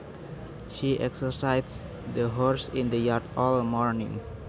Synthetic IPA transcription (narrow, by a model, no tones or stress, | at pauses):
ʃiʔɛksəsajts | dəɦɔɹsĩnd̪əjart̪ɔlmɔɹnḭ̃ŋ